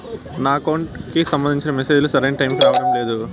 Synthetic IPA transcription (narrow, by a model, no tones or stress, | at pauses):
naːkɐwɳʈkisɐmbɐnd̪iɲt͡ʃinɐmese̞ːd͡ʒulusɐɾeːnʈɐjmkiɾaːʋɐɽɐmle̞ːd̪u